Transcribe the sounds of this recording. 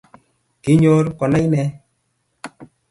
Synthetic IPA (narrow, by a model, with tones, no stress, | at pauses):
ke˦ɲɔ˦ɾkɔ˨na˦jnɛ˧˦